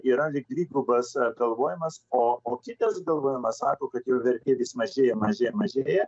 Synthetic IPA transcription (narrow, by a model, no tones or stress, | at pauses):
iːɾɐlʲɪk̚d̪ʲlʲiːɡʊbɐsɡɐlˠʋoːjɪmɐsoːoːkʲɪt̪ɐsɡɐlˠʋoːjɪmɐssɑːkoːkɐt̪jɛːʋʲɛrʲt̪ʲeːʋʲismɐʒʲeːjɛmɐʒʲeːjɛmɐʒʲeːjɛ